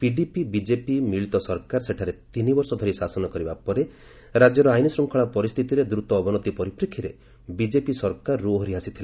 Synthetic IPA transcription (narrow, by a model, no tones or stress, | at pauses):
piɖipibid͡ʒepimiɭit̪ɔsɔɾkaɾseʈʰaɾet̪inibɔɾsɔd̪ʱɔɾisasɔnɔkɔɾibapɔɾe | ɾad͡ʒjɔɾɔajnisɾumkʰaɭ̃ɔpɔɾist̪ʰit̪iɾed̪ɾut̪ɔːbɔnɔt̪ipɔɾipɾekʰːiɾe | bid͡ʒepisɔɾkaɾːuɦɔɾiɦasit̪ʰile